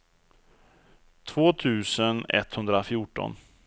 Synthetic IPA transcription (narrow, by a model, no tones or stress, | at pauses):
t̪ʰvoːt̪ʰʉ̟ːsənɛ̰t̪ːhɵnd̪ɾafjʊːʈɔ̰n